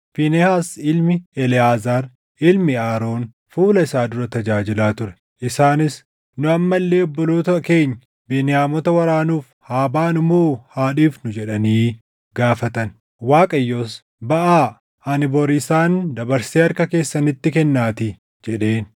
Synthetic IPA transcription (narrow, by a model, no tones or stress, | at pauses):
finɛhaːsɪlmɪɛlɪaːzaːɾ | ɪlmɪaːɾo̞ːn | fuːlɐɪsaːd̪ʊɾɐt̪ɐd͡ʒaːd͡ʒɪlaːt̪ʊɾɛ̥ | ʔɪsaːnɪs | nʊɐmːɐlːe̞ːɔbːɔloːt̪ɐke̞ːɲːɐ | beːnɪjaːmɔt̪ɐwɐɾaːnuːf | haːbaːnʊmoːhaːᶑiːfnʊd͡ʒɛᶑɐniː | ɡaːfɐt̪ɐn | waːkʼɐjːo̞ːs | bɐʔaː | anɪbɔɾɪsaːnd̪ɐbɐɾseːɐɾkɐke̞ːsːɐnɪt̪ːɪkɛnːaːt̪ɪ | d͡ʒɛᶑe̞ːn